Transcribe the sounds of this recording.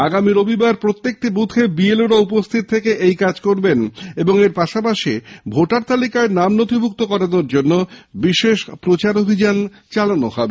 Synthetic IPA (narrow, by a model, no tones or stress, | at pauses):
aɡamiɾobibaɾpɾot̪ːek̚ʈibud̪ʱʰebieluɾaupost̪ʰit̪t̪ʰːekeʔejkad͡ʑkoɾbeneboŋeɾpaʃapaʃibʱoʈaɾt̪alikaeɾnamnot̪ʰibʱuk̚t̪okɔɾanoɾd͡ʑonːobiʃeʃpɾot͡ɕaɾobʱid͡ʑan | t͡ɕalanohɔbe